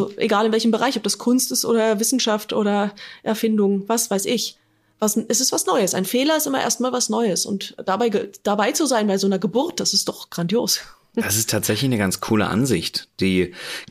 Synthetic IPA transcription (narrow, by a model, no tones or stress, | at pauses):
ʔzoʔḛɡaːlɪnvɛlçmbəʁaɪçɔp̚d̥askʰʊnstɪstʔo̰ːdɐvɪsn̩ʃaftʔo̰ːɾɐʔɛɐfɪndʊŋvasv̥aɪsɪç | vasɛsɪstv̥asnɔʏəsaɪnfeːlɐɪstʔɪmɐ̰ʔḛɐst̚maːlvasnɔʏəsʊ̰ntd̥abaɪɡəd̥abaɪt͡suzaɪnbaɪzoːnɐɡəbʊɐt̚d̥asɪstd̥ɔχɡ̥ʁandjoːs | d̥asɪstʰaːtz̥ɛçlɪçnəɡant͡sskʰuːlə̰ʔa̰nzɪçtd̥iː